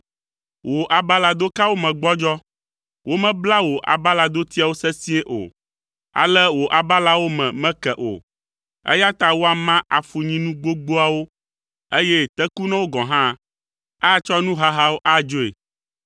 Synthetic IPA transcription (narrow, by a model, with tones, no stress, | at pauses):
wo˨ʔa˨ba˦la˨d̪o˦ka˦wo˦mɛ̃˨ɡ͡bɔ˦d͡ʒɔ˦ | wo˦mɛ̃˦bla˦wo˨ʔa̰˨ba˦la˨d̪o˦t̪i˦a˨wo˦sɛ˦sĩ˦e˦ʔo̰˨ | a̰˨lɛ˦wo˨ʔa˨ba˦la˦wo˦mɛ̰̃˨mɛ̃˦kɛ˨ʔo̰˨ | ɛ̰˦ja˦t̪a˦wo˦a˨mã˦ʔa˨fu˨ɲĩ˦nũ˦ɡ͡bo˦ɡ͡bo˦a˨wo˦ | e˦jɛ˦t̪ɛ˦ku˦nɛ̃˦wo˦ɡɔ̃˨ɦã˦ | a˦˨t͡ʃɔ˦nũ˦ɦa˦ɦa˦wo˦ʔa˦d͡ʒo˦ḛ˨